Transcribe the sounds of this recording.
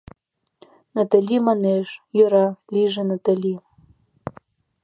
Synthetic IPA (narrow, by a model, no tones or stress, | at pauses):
nat̪alʲimaneʃjøɾɑlʲiʒĕnat̪alʲi